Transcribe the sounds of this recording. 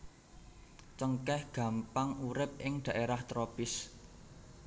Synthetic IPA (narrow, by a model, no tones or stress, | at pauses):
t͡ʃəŋkɛhɡ̥ä̤mpaŋuɾɪp̚ʔɪŋɖ̥ä̤ʔeɾaht̪ɾopɪs